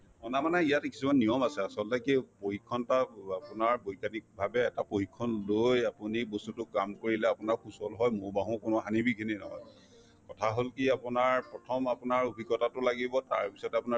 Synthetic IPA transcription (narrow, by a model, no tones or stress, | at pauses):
ɔnamanɛijatki̥sumannijɔmasɛasɔltɛkipohikʰːɔntaapʊnaɹbojkanik̚bʱabɛːtapohikʰːɔnlojapunibostutʊkamkoɹilɛapʊnaɹkʰusɔlɦɔjmʊɹbaɦũkʊnʊɦanibikʰininɔɦɔ̰j | kɔtʰaɦolkiapʊnaɹpɹɔtʰɔmapʊnaɹobʱikɔtatʊlaɡibɔta̰ɹpi̥sɔtapuna